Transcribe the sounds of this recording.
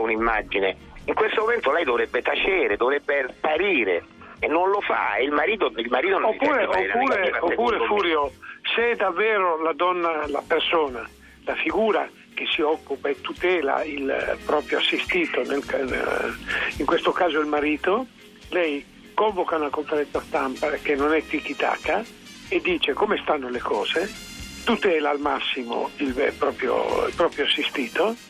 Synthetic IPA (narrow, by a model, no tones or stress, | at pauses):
unimːad͡ʒine | iŋkwest̪omoment̪olɛjd̪ovɾɛbːet̪at͡ʃɛːɾed̪ovɾɛbːepaɾiːɾḛ | nːonlofa̰eilmaɾiːt̪̬oilmaɾiːt̪onopːuːɾeouːɾeaopːuːɾefuːɾjosed̪avːɛːɾolad̪ɔnːala̰persoːna | lafiɡuːɾa | k̟esːiɔkːupaet̪ːut̪ɛːla̰ilpɾɔːpɾjoasːist̪iːt̪onelan̰ | iŋkwest̪okaːzoilmaɾiːt̪o | lɛj | kɔɱvokaunakoɱfeɾɛnsast̪ampakenːonɛt̪ːikit̪a̰ːka | ed̪ːiːt͡ʃekomest̪anːolekʰɔːz̥e | t̪ut̪ɛːlaːlmasːimo̰ilpɾɔːpɾjo̰ḭlpɾɔːpɾjoasːist̪iːt̪o